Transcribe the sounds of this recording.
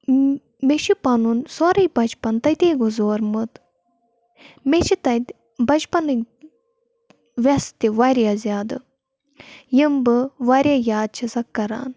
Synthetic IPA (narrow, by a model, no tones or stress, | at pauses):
met͡ʃʰipɐnunsoːɾɐjbɐt͡ʃʰpɐnt̪ɐt̪eːɡozoːɾmɨt̪ | met͡ʃʰit̪ɐt̪ʲ | bɐt͡ʃpɐnɨ | ʋʲɐst̪iʋaɾʲjaːzʲjaːd̪ɨ | jimbɨʋaːɾʲjaːjaːd̪̚t͡ʃʰisɐkːɐɾa̰ːn